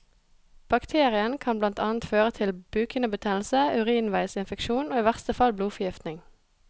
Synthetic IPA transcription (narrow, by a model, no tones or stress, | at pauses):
b̥ɑkt̪ʰeːʁɪənkʰɑnblɑnt̪ʰɑːnt̪føːʁət̪ʰɪlbʉːkənəbət̪ʰɛːnl̩səʉʁiːnʋæɪsɪnfəkʃuːnoːiːʋæʁst̪əfɑlbluːfɔʁjɪft̪nɪŋ